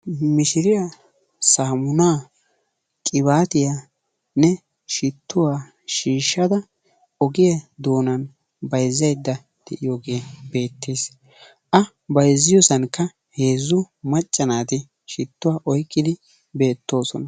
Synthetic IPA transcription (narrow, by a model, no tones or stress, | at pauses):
mɪʃɪɾɪja | saːmʊnaː | kʼɪβaːt̪ɪja | nɛ | ʃɪt̪ʰːʊwaː | ʃiːʃːɐd̪ɐ | ɔɡɪjɐd̪oːnɐn | bɐjzːɐjd̪ːɐ | d̪̥ɛʔɪjoɡeːbe̞ːt̪ːeːs | ʔɐ | bɐjzːɪjosɐnkːɐ | he̞ːzːʊ | mɐt͡ʃʼːɐnaːt̪ɪ | ʃɪt̪ːʊwaːʔɔjkʼːɪd̪ɪ | be̞ːt̪ːo̞ːsɔnɐ